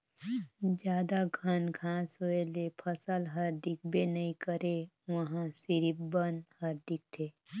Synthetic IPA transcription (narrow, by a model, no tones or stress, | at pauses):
d͡ʒjaːd̪aɡʱənɡʱãːsɦoelepʰəsəlɦəɾd̪ɪk̚ʰbenəɦĩkəɾe | ʋəɦãsɪɾipbənhəɾd̪ɪk̚t̪ʰeː